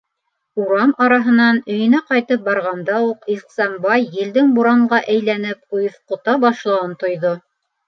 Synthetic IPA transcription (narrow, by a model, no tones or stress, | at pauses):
uɾɑmɑɾɑɦɤ̆nɑnɵ̆jɵ̆næqɑjt̪ɤp̚bɑɾʁɑnd̪ɑuqiqsɑmbɑjːɘ̆ld̪ɘŋbuɾɑɴɢɑʔæjlænɘp̚ujθqŏt̪ɑbɑʃlˠɑwɤnt̪ŏjðo